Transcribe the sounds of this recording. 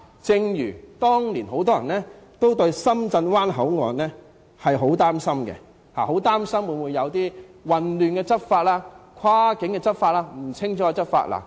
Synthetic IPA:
t͡sɪ˧ŋjy̰ː˨˩t̪ɔː˥ŋliː˨˩nɦo˨˥wt̪̬ɔː˥jɐ˨˩nlɛː˥t̪o˥wt̪ɵ˧ɥsɐ˥mt͡sɐ˧nwaː˥nɦɐ˨˥wŋɔː˨nlɛː˦˥ | hɐ˨jɦo˨˥wt̪aː˥msɐ˥mɡɛ̰˧ | ha̰ː˨ho˨˥wt̪aː˥msɐ˥mwu˨˧˥wu˨˧jɐ˨˧wt̪iː˥wɐ˨nlyː˨nkɛ˧t͡sɐ˥t̚faː˧t̚laː˥kʷʰwaː˥kɪ˨˥ŋkɛ˧t͡sɐ˥t̚faː˧t̚laː˧˥m̩˨˩t͡sʰɪ˥ŋt͡ʃɔ˨˥˧t͡sɐ˥t̚fa̰ː˧t̚la̰˨˩

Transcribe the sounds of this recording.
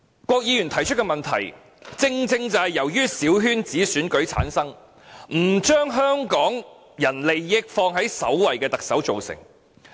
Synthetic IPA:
kʷɔː˧k̚jiː˨˧jy˨˩nt̪ʰɐ˨˩jt͡ʃʰɵ˥t̚kːɛː˧mɐ˨nt̪ʰɐ̰˨˩j | t͡sɪ˧ŋt͡sɪ˧ŋt͡sɐ˨jɐ˨˩wjyː˥siː˨˥wɦyː˥nt͡siː˨˥syː˨˥nkɵ˨˥ɥt͡sʰa̰ː˨˥nsɐ˥ŋ | m̩˨˩t͡ʃœː˥ŋɦœː˥ŋkɔː˨˥ŋ | jɐ˨˩nle˨jːɪ˥k̚fɔː˧ŋɦɐ˨˥jsɐ̰˨˥wwɐ˨˩jkɛː˧t̪ɐ˨k̚sɐ˨˥wt͡so˨wsɪ̰˨˩ŋ

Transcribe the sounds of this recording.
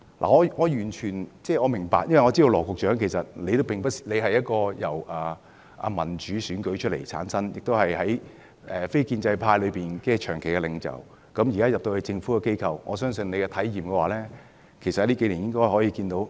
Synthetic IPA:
lʔa̰ː˨˩ŋɔː˨˧ŋɔː˨˧jyː˨˩nt͡ʃʰyː˨˩nt͡sɛː˥˩ŋɔː˨˧mɪ˨˩ŋpaː˨k̚jɐ˥nwɐ˩jŋɔː˨˧t͡siː˥do˧wlɔː˨˩kʷʊ˨k̚t͡ʃœː˨˥ŋkʰe˨˩sɐ˨t̚le˨˧jt̪wpɪ˨ŋpɐ˥t̚sle˨˧jɦɐ˨jɐ˥t̚kɔː˧jɐ˨˩wʔɐː˨˩ | ʔɐ̰˨˧mɐ˨˩nt͡ʃyː˨˧˥syː˨˥nkɵ˨˥ɥt͡ʃʰt̚lḛ˨˩jt͡sʰa̰ː˨˥nsɐ˥njɪ˨k̚t̪o˥whɐ˨jhɐ˨˥j | ʔɛː˨fe˥jkiː˧nt͡sɐ˧jpʰaː˧jlɵ˨˧ɥpiː˨nkɛː˧t͡ʃʰœː˨˩ŋkʰe˨˩jkɛ˧lɪ˨˧ŋt͡sɐ̰˨˩w | kɐ˨˥mjiː˨˩kaː˥jɐ˨p̚t̪o˧whe˨˧jt͡sɪ˧ŋfuː˨˥kɛ˧ke˥jkʰɐ˨wŋɔː˨˧sœː˥ŋsɵ˧nle˨˧jkɛ˧t̪ʰɐ˨˥jjiː˨mkɛ˧waː˨˩lɛː˥ | kʰjsɐ˨thɐ˨˦liː˥ke˨˥liː˨˩njɪ˥ŋkɔː˥jɦɔ˨˥jiː˧kiː˧nt̪o˨˥w

